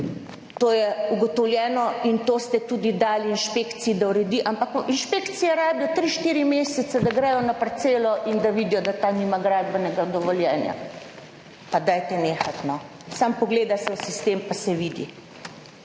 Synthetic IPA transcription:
t̪oːjɛuɡɔt̪ɔwljɛːnɔint̪oːst̪ɛt̪uːd̪id̪aːliːnʃpeːkt̪siid̪auɾɛd̪iʔampakinʃpeːkt̪sijɛɾaːbjɔt̪ɾiʃt̪iːɾimeːsɛt̪sad̪aɡɾɛjɔnapɾt̪seːlɔʔind̪aʋid̪ijɔd̪at̪aniːmaɡɾaːd̪bɛnɛɡad̪ɔʋɔljɛːnja̰ | pad̪aːjt̪ɛneːxat̪nɔ | sampɔɡleːd̪asɛusist̪empasɛʋiːd̪ḭ

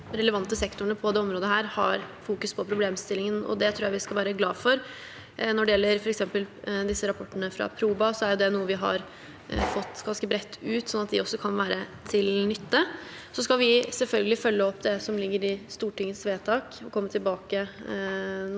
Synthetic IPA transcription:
ɾɛləʋɑnt̪ːəsɛkt̪ʊɳəpʰɔd̪ɛːɔmɾoːd̪əɦæːɾhɑ̰ɾfuːkʉspʰɔpʰɾʊbleːmst̪ɪlːɪŋənɔ̰d̪ɛt̪ʰɾuːjaæʋɪskɑʋæːɾəɡlɑːfɔɾ | nɔɖɛjɛlːəɾfɔɾɛksɛmpəld̪ɪsːəɾɑpʰɔʈːənəfɾɑ̰pʰɾuːbɑsɔæɾjʊd̪ɛnuːəʋɪɦɑ̰ɾ | fɔt̪ːɡɑnskəbɾɛt̪ʰːʉːt̪sɔnːɑt̪̚d̪ɪɔsːɔkʰɑnʋæːɾət̪ʰɪlnʏt̪ːə | sɔskɑʋɪsɛlfœlɡəlɪfœlːəɔpːd̪ɛsɔmlɪɡːəɾɪst̪uːʈɪŋːəsʋeːt̪ʰɑːkɔkʰɔmːət̪ʰɪlbɑːkə

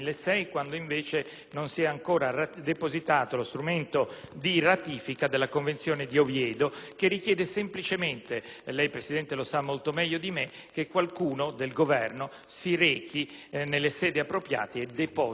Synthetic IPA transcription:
lːesɛjkwand̪oiɱveːt͡ʃe | nonsiɛaŋkoːɾarad̪epozit̪aːt̪olost̪ɾument̪od̪irat̪iːfikad̪elːakoɱvent̪sjoːned̪iovjɛːd̪okerːik̟jɛːd̪esemplit͡ʃement̪elɛjpɾesid̪ɛnt̪elosamːolt̪omɛʎːod̪imek̟ekːwalkuːnod̪elɡovɛrno | siɾɛːkinelːesɛːd̪iapːɾopɾja̰ːt̪eed̪epɔ

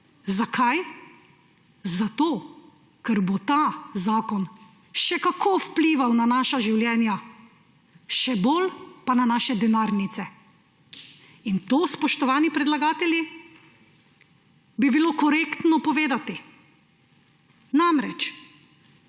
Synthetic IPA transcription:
zakʰaj | zat̪oː | kɛɾbot̪aːzaːkɔn | ʃɛkakʰoːwpliːʋawnanaːʃaʒiwljɛːnja | ʃɛbolpananaːʃɛd̪ɛnaːɾnit̪sɛ | int̪oːspɔʃt̪ɔʋaːnipɾɛd̪laɡaːt̪ɛlji | bibiloːkɔɾeːkt̪nɔpɔʋeːd̪at̪i | namɾɛt͡ʃ

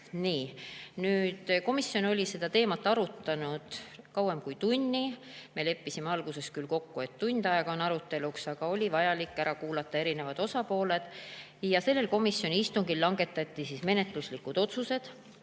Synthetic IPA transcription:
niːnyːd̪̥ko̞misjo̞no̞lʲise̞d̪̥ɑt̪e̞ːmɑt̪ːˑɑɾut̪ːɑnud̪̥kɑwemkujt̪unʲːime̞le̞pːisimeɑlɡ̥use̞skylko̞kːue̞t̪ːunʲd̪ɑeɡ̥ɑo̞nɑɾut̪ːˑe̞luksɑɡ̥ɑo̞lʲivɑjɑlikːæɾɑkuːlɑt̪ːˑɑe̞ɾine̞vɑd̪̥o̞sɑpo̞ːle̞d̪̥ | jɑse̞lːe̞lko̞misjo̞nʲiist̪uŋɡ̥ilːɑŋɡ̥e̞t̪ːˑɑt̪ʲːisisme̞ne̞t̪ˑluslikːˑud̪̥o̞t̪suse̞d̪̥

